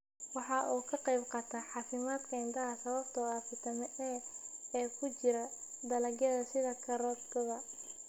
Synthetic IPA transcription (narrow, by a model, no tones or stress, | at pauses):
wɑħɑʔuːkʰɐqɑjbqɑt̪ʰɐħɑːfɪmaːd̪kʰɐɪnd̪ɐɦɐsɐβɐbt̪ʰɔafɪt̪ʰɐmɛʔɛːɛːkʰʊt͡ʃɪɾɐd̪ɐlɐɡjɐðɐsɪðɐkʰɐɾɔːd̪ɡɐðɐ